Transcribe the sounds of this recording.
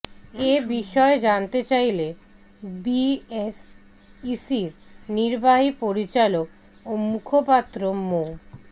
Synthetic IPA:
ebiʃɔed͡ʑant̪et͡ɕajle | bies | isiɾniɾbaɦipoɾit͡ɕalok | omukʰopat̪ːɾomo

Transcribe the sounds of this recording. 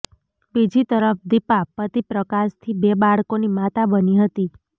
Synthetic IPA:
bid͡ʒit̪əɾəfd̪ipapət̪ipɾəkaʃt̪ʰibebaɭkonimat̪abəniɦət̪i

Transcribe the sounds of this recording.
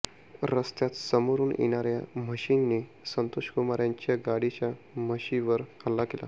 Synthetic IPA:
ɾəst̪jat̪səmoɾuːnjḛɽ̃aɾja̰məɕinːi | sənt̪oʂkumaɾjãɲt͡ɕjaɡaɽit͡ɕjaməɕiʋəɾalːakela̰

